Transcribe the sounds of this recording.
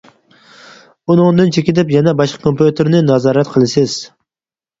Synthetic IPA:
unɨŋd̪ɨnt͡ʃʰekʲɪd̪ɪpjɛnɛbɑʃqɑ̥kʰompjut̪ʰeɾnɪnɑzɑːɾæt̪qʰɨlˠɪsɪz̥

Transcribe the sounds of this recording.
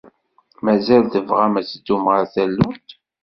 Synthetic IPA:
mæzælθəvʁæmæt͡sd̪ːumʁæθælːunt̪

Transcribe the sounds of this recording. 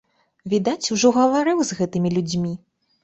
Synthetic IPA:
vʲid̪at͡sʲuʐɔɣɐvaɾɨwzɣɛt̪ɨmʲilʲud͡zʲmʲi

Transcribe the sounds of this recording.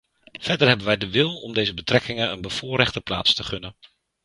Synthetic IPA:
v̥ɛɹdəɹɦɛbənʋɛjdəʋɪlˠɔ̰mdejzəbətrɛkɪŋənə̰nbəv̥ʊːɾɛχtəpla̰ːtstəχɵnən

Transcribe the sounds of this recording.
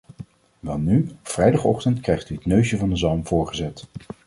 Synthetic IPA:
ʋɛlˠnyfrɛjdɑχɔχtəntkrɛjχtyɦətnøɥʃəvɑndəzɑlˠmv̥ʊːɹχəzɛt

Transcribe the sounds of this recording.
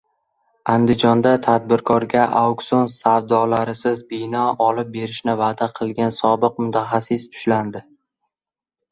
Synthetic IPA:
and̪ɪd͡ʒɒnd̪at̪ʰad̪̚bɪɾkʰɒɾɡʲaʔaksonsavd̪ɒlaɾɪsɪzbɪnɒɒlɪp̚be̞ɾɪʃnɪvad̪aqʰɨlˠɡʲansɒbɨqmʊt̪ʰaχasɪst̪ʰʊ̥ʃland̪ɪ

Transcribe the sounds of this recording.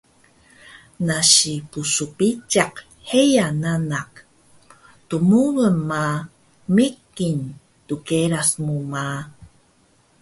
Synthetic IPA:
naɕipusupit͡ʃaq | hejananaq̚ | tumuɣəmːa | mikːin | tukeɾasmuma

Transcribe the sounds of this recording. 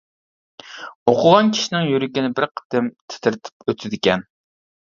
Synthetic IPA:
oqʰʊʁɑnkʲʰi̥ʃinɪŋjyɾɪkʲinɪbɪɾqʰə̥t̪ɪmt̪ʰɪ̥t̪ʰɪɾt̪ʰɪ̥pøt̪ʰɪd̪ɪkʲɛn

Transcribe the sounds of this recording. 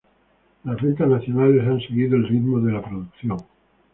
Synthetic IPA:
lasβent̪aznaθjonalesanseɣ̞iðoelrit̪moðelapɾoðukθjoŋ

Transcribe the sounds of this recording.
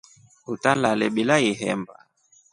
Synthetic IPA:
utalalɛɓilaiɦɛ̰mba

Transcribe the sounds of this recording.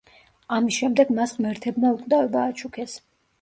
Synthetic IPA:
amisʃɛmd̪ɛɡmasmɛɾt̪ʰɛbnaukʼd̪avɛbaːt͡ʃʰukʰɛs

